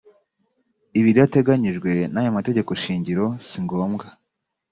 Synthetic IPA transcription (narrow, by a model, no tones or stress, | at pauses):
iβiddate̞ɡaɲiʒɡwe̞najomate̞ɟe̞ko̞ʃiːɲɟiɾo̞siŋɡo̞ːmɡa